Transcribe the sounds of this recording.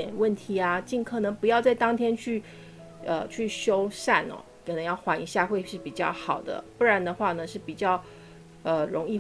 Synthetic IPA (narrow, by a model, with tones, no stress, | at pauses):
ɛ˨˩nwə˥˩nt̪ʰi˧˥a˧t͡ɕi˥˩nkʰɤ˨˩nɤ˧˥ŋpu˧˥jɑ˥˧ʊt͡sa˥˩ɪt̪ɑ˥ŋt̪ʰjɛ˥nt͡ɕʰy˥˩ | ə̰˧t͡ɕʰy˥˩ɕjo˥ʊʂa˥˩nɔ̰˨˩kʰɤ˨˩nɤ˧˥ŋjɑ˥˩ʊxwa˧˥nḭ˧˥ɕja˥˧xwe˥˧ɪʂɻ̩˥˩pi˨˩t͡ɕjɑ̰˥˩ʊxɑ˨˩ʊd̪ə̰˦pu˥˩ɻa˧˥nd̪ə˧xwa˥˩nə˩ʂɻ̩˥˩pi˨˩t͡ɕjɑ˥˩ʊ | ə˧ɻʊ˧˥ŋi˥˧